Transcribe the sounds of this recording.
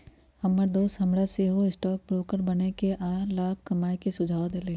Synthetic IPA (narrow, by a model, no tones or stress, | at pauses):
hɐməɾd̪oːst̪ɦɐmɾaseɦoɪsʈɔːk̚bɾoːkəɾbɐnekeʔaːlaːb̚kɐmaːjkesʊd͡ʒʱaːwd̪eleː